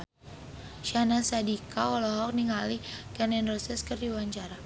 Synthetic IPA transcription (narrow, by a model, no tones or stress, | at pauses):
ʃanasadikaɔlɔɦɔk̚niŋalikɛnɛnrɔsɛskərdiwaɲt͡ʃaɾa